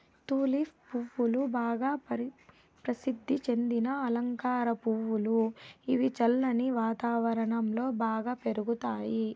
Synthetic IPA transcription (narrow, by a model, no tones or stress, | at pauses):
t̪uːlifpuʋːulubaːɡaːpɐ | pɾɐsid̪ʱːit͡ʃe̞nd̪inɐɐlɐŋkaːɾɐpuʋuluiʋit͡ʃɐlːɐniʋaːt̪aːʋɐɾɐɳɐmlo̞ːbaːɡaːpe̞ɾuɡut̪aːji